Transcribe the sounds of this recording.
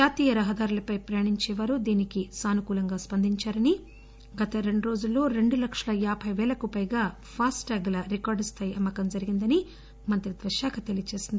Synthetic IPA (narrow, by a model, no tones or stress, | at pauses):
d͡ʒaːt̪iːjɐɾɐɦɐd̪aːɾulɐpɐjpɾɐjɐɳiɲt͡ʃɛːʋaːɾud̪iːnikisaːnukuːlɐŋɡaːspɐnd̪ʱiɲt͡ʃaːɾɐni | ɡɐt̪ɐɾe̞ɳɖuɾo̞ːd͡ʒulːo̞ːɾe̞ɳɖulɐkʂɐlɐjaːbʱɐjʋɛːlɐkupɐjɡaː | pʰaːsʈɐɡlɐɾikaːɾɖst̪ʰɐjɐmːɐkɐmd͡ʒɐɾiɡind̪ɐni | mɐnt̪ɾid̪ʋɐʃjaːkʰɐt̪elijɐt͡ʃeːsind̪i